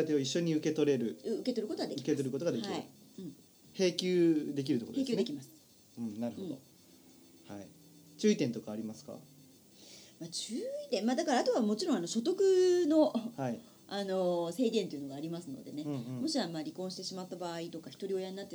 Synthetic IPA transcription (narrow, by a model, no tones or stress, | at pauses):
at̪eoiɕːo̞ɲ̟iɯ̟ke̞t̪o̞ɾe̞ɾɯ̟ɯ̟ke̞t̪o̞ɾɯ̟kot̪oɡadeiɯket̪oɾɯko̞t̪oɡad̪ekiɾiɯ̰ɯ̟̃ɴ | he̞ːkʲɨːd̪e̞k̬ʲiɾɯ̟t̪okoeːkʲɨːd̪ekʲimasɨ̥ | ɯ̃naɾɯ̟hõd̪o̰ | haḭ | t͡ɕɨːit̪ẽ̞nt̪o̞kaːɾʲimasɨ̥ka̰ | maːt͡ɕɨːit̪ẽmmaːd̪akaɾaːt̪o̞βamo̞t͡ɕiɾõano̞ɕo̞t̪̬o̞kɯ̟no̞hai | ano̞se̞ːɡ̪ʲent̪o̞jiɯ̟no̞ɡaːɾʲimasɨno̞̰d̪e̞nẽ̞mo̞ɕiβamaːɾʲikõ̞ɕi̥t̪e̞ɕimat̪ːabaːit̪o̞kaçi̥t̪o̞ɾʲio̞jaɲ̟inat̪ːe